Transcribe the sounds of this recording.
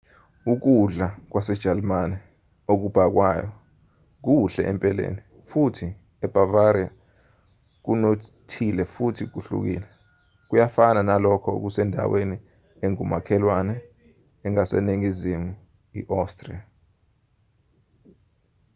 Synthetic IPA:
uk̬uɮak̬wasɛd̥ʒ̥ʱalmanɛ | ok̬ub̥ʱak̬wajɔ | k̬uɬɛ̰ʔɛmpʼɛlḛːni | futʰi | ɛb̥avaɾia | k̬unotʰilɛfutʰik̬uɬṵk̬ḭːlɛ | k̬ujafananalɔkʰɔṵk̬usɛndʱa̰weni | eŋumakʰɛlwanɛː | ŋasḛniŋizimu | ḭʔastʼrḭa

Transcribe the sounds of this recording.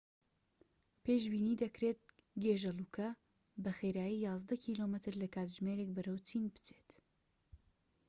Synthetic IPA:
peːʒbiːniːd̪ɐkɾet̪̚ | ɡeːʒɐlukʰɐ | bɐxeɾaːjijɑːzd̪ɐkʰilomɨt̪ʰɨɾlɐkʰaːt̪ʒmeːɾek̚bɐɾɐwt͡sʰinbɨ̥t͡sʰet̪

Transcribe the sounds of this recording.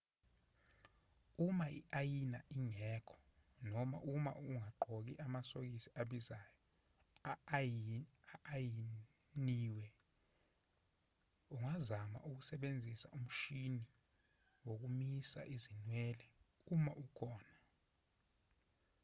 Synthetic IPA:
umaiʔajina̰ʔiŋɛːkʰɔ̥ | nɔma̰ʔuma̰uŋaǃʱok̬iʔamasok̬isiaɓizaːjɔ | aːji | niːwɛ | uŋazama̰ʔuk̬usɛɓend͡zʱisa̰ʔum̩ʃini | wok̬umisa̰ʔizinwɛːlɛumaʔukʰɔːna

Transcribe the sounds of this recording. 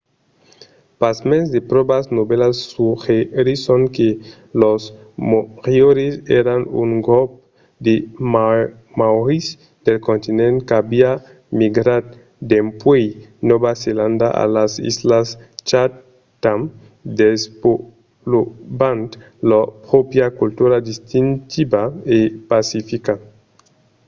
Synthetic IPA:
pazmẽnzd̪epɾobasnobelasːuxeɾisoŋke | los | moʁjoɾesḛɾanṵŋɡolp̚ | d̪em | mawɾis | d̪elkont̪inẽnt̪kabia | miɡɾad̪̚ | d̪empwejnoβaseland̪a̰ʔa̰lasḭzlast͡ʃa | t̪am | d̪espo | lobant̪ | lopɾopjakult̪uɾad̪ist̪int̪ibaepasifika

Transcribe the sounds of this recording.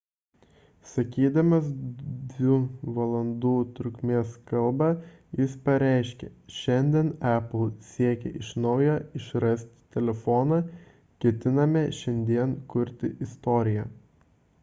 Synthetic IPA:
sɐkʲiːd̪ɐmɐsd̪ʲʋʲɪʋɐlˠɐnd̪uːt̪ɾʊkʲmʲeːskɐlˠbɑːjɪspɐɾʲɛˑɪʃʲkʲɛʃʲɛnʲd̪ʲiɛnæpl̩ˠsʲiɛkʲɛ̰ʔɪʃnɒʊjoːɪʃɾɐsʲt̪ʲt̪ʲɛlʲɛfɔnɑ | kʲɛt̪ʲɪnɐmʲɛʃʲɛnʲd̪ʲiɛnkʊɾʲt̪ʲɪʔɪst̪ɔːɾʲɪjɛ

